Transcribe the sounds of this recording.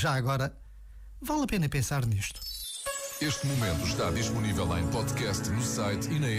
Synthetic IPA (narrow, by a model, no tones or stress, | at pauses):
ʒaɐɣɔɾɐ | valˠɐpenɐpẽsaɾniʃt̪u̥ | eʃt̪mumẽnt̪uʃt̪aðiʃpunivɛlˠɐ̰̃j̃pɔðkɛst̪nusajt̪inɐ